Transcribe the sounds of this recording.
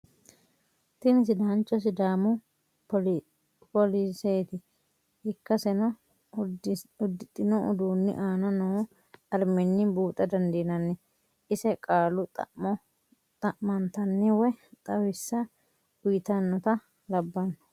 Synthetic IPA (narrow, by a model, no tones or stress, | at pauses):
t̪ɪnɪs̬ɪd̪aːnt͡ʃːɔs̬ɪd̪aːmʊ | pɔliseːt̪ɪ | ɪkːɐsɛnɔ | ʊd̪ːɪt̪ʼːɪnɔʊ̰d̪uːnːɪ̰ʔaːnɐnɔ | ɐɾmɛnːɪbuːt̪ʼɐd̪ɐnd̪iːnɐnːɪ | ɪsɛkʼaːlʊt | t̪ʼɐʔmɐnt̪ɐnːɪwɛt̪ʼɐwɪsːɐ | ʊjɪt̪ɐnːɔt̪ɐ | lɐbːɐnːɔ̥